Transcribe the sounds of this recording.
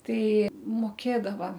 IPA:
ˈtɐɪ moːˈkʲeːdɐʋɐ

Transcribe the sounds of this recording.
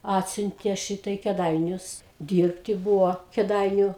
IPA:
ˈɑːtʲsʲʊnʲtʲeː ˈʃʲiːtɐ ɪ kʲeːˈdɐɪnʲʊs ˈdʲiːrʲpʲtʲɪ ˈbuːʋoː kʲeːˈdɐɪnʲʊ

